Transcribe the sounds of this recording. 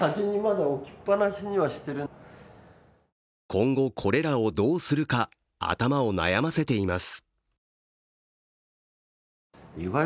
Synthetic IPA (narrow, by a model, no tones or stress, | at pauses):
aʑiɲ̟imad̪aokʲi̥pːanaɕiɲ̟iβaɕi̥t̪e̞ɾɯ | kʰõ̞ŋɡo̞kʰo̞ɾe̞ɾao̞d̪o̞ːsɨɾɯ̟ka | a̰t̪amao̞na̰jamase̞t̪e̞imasɨ̥ | iɡa